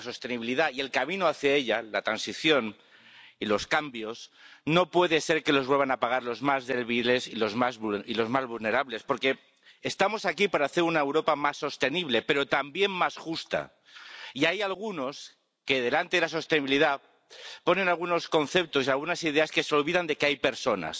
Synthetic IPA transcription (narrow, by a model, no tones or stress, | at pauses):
so̞st̪e̞niβiliðaie̞lkamĩnoaθjae̞ʎalat̪ɾansiθjo̞n | ilo̞skambjo̞sno̞pwe̞ðe̞se̞ɾke̞lo̞zβe̞lβanapaɣ̞aɾlo̞zmazðe̞lβile̞silo̞zmazβuilo̞zmazβulne̞ɾaβle̞spo̞ɾke̞ː | st̪amo̞sakipaɾaːθe̞ɾunaewɾo̞pamasːo̞st̪e̞niβle̞pe̞ɾo̞t̪ambje̞mːasxust̪a̰ | iajalɣ̞uno̞s | ke̞ðe̞lant̪eðelaso̞st̪eniβiliða | po̞ne̞nalɣ̞uno̞sko̞nθe̞p̚t̪o̞sialɣ̞unasið̞e̞aske̞seo̞lβiðand̪e̞keajpe̞ɾso̞na̰s